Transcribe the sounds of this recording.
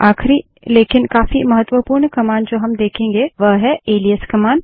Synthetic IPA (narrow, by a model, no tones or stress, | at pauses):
aːxɾi | leːkɪnkaːfimɐɦət̪ːʋəpuːɾɳkɐmaːnd͡ʒoːɦɐmd̪eːkʰẽːŋɡeʋɐɦɛeːliəskɐmaːn